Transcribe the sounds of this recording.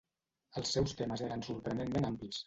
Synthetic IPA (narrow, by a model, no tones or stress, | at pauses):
əlˠsːɛwst̪eməzeɾənsuɾpɾənemmenamplis